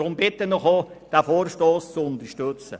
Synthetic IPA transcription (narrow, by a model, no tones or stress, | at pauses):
ʊmbɪt̪ːənɔχod̥æfoːɾʃtoːst͡suʊnt̪əɾʃtøt͡sə̰